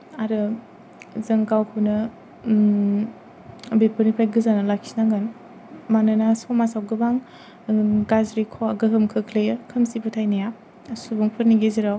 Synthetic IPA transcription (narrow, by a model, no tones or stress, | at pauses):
aɾɯ | zɯŋɡawkʰɯnɯ | bepʰɯnipʰajɡɯzanɯlakʰi̥snaɡan | manɯnasɔmasawɡɯbaŋ | ɡazɾikʰɔaɡɯɦɯmkʰɯkʰlejɯkʰɯmsipʰɯtʰajnaja | subuŋpʰɯɾniɡeziɾaw